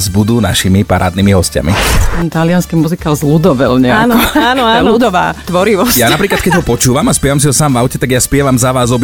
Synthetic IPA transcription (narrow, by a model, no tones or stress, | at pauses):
zbud̪uːna̰ʃimipaɾaːd̪̚nimiɦɔsca̰mistɛnt̪alɪanskiːmuzikalzlud̪ɔʋɛlɲɛanɔanɔalud̪ɔʋaːt̪ʋɔɾiʋɔsjaːnapɾiːklat̪̚kɛɟɦɔpɔt͡ʃuːʋamaspɪɛʋams̬iɦɔsaːmvaʊcɛt̪aɡjaspɪɛʋamzaʋaːzɔb